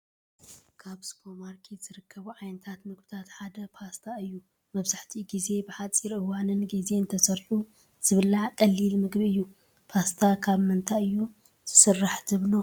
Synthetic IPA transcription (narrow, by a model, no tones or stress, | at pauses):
kʰaβskʰomaɾkʰiz̥ɨɾɨkʰːɐβuʕajnɐt̪ʰat̪mɨɡ̚bɨt̪ʰat̪ħad̪ɐpʰast̪ʰaɨjːu | mɐβzaħt̪ʰiɡize̞bɨħat͡sʼiɾɨwanɨnɡize̞ɨnt̪ʰɐsɐɾħu | z̥ɨβɨlakʼɐlːilmɨɡbiɨjːu | pʰast̪ʰakʰaβmɨnt̪ʰajɨjːu | z̥ɨsɨrːaħzɨβlo